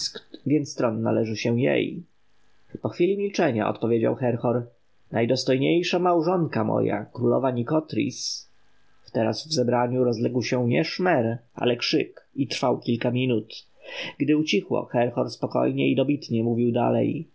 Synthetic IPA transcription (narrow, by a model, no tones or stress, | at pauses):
vʲjɛnt̪st̪ɾɔnːa̰lɛʐɘɕɛ̃jḛj | pɔxfʲilʲimʲilt͡ʂɛɲa̰ɔ̰t̪pɔvʲjed͡ʑa̰wxɛɾxɔɾ | najd̪ɔst̪ɔjɲejʂamawʐɔŋkamɔ̰ja̰kɾulɔ̰vaɲikɔt̪ɾʲḭs | ft̪ɛɾasvzɛbɾaɲuɾɔzlɛɡwɕɛɲɛʂmɛɾa̰lɛkʂɘkit̪ɾfawkʲilkamʲinut̪ | ɡd̪ɘut͡ɕixwɔ̰xɛɾxɔɾspɔkɔ̰jɲɛid̪ɔbʲit̪ɲɛmuvʲiwd̪a̰lɛ̰j